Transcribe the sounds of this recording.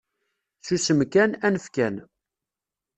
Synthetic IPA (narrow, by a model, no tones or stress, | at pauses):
susəmkænænəfkæn